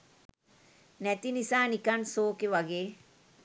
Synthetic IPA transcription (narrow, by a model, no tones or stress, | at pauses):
nɛt̪inisaːnikansoːkeʋɐɡeː